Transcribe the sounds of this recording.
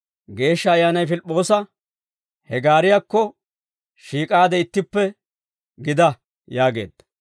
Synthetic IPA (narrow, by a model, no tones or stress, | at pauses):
ɡe̞ːʃːɐːjːaːnɐjfɪlpʼːo̞ːsɐ | hɛɡaːɾɪjakːɔ | ʃiːkʼaːd̪ɛɪt̪ːɪpːɛ | ɡɪd̪ɐ | jaːɡe̞̰ːd̪̥ːɐ̥